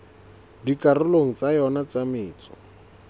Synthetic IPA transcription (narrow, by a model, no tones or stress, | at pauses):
dikarʊloŋ̩t͡sajɔnat͡samɪːt͡sɔ̥